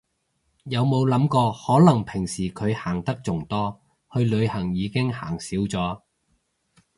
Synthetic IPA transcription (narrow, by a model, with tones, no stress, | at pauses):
jɐ˨˧wmo˨˧wlɐ˨˥mkɔː˧hɔː˨˥lɐ˨˩ŋpʰɪ˨˩ŋsiː˨˩kʰɵ˨˧ɥhaː˨˩ŋt̪ɐ˥k̚t͡sʊ˨˩ŋt̪ɔː˥ | hɵ˧ɥlɵ˨˧ɥhɐ˨˩ŋjiː˨˧kɪ˥ŋhaː˨˩ŋsiː˨˥wt͡sɔː˨˥